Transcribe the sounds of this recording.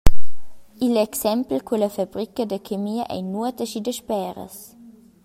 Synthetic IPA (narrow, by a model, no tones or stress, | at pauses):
ilɛksɛmplkwulɐfabɾikəd̪əkʰemiːɐʔɛ̰nuət̪əʃid̪əʃpɛːɾə̰s